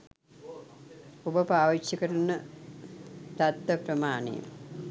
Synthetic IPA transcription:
obəpaːʋit͡ʃjəkəɾunːə | t̪at̪ʋəpɾɐmaːnḛj̰m

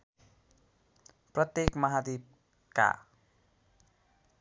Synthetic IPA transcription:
prʌt̪jekmʌɦad̪ib̚ | ka̰

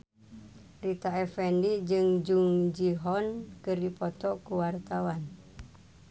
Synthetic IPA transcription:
rit̪aɛfɛndid͡ʒɨŋd͡ʒuŋd͡ʒiɦɔnkɨrdipɔt̪ɔkuwart̪awan

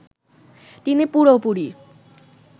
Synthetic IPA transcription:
t̪inipuɽopuɽi

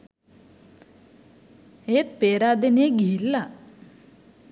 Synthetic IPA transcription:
eːt̪̚peːɾaːd̪eneɡiɦilːa

